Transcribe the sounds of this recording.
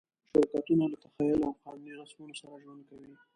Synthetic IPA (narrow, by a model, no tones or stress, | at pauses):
ʃaɾikɑt̪unalat̪axajʊlawxɑ̰nliɾasmunosaɾaʒwand̪̚kawi